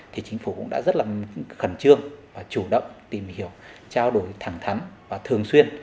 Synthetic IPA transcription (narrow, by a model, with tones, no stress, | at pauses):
t̪ʰi˨˩t͡ɕï˨˦ŋ̟fu˧˩kʊ̰˧˥ŋ͡mɗa̰ː˧˥zə˦˥t̚laː˨˩xə˧˩nt͡ɕɨ˧əŋvaː˨˩t͡ɕu˧˩ɗə̰˧˨wŋ͡mt̪i˨˩mhi˧˩əwt͡ɕaː˧wɗo˨˩jt̪ʰaː˧˩ŋt̪ʰa˨˦nvaː˨˩t̪ʰɨ˨˩əŋswi˧ən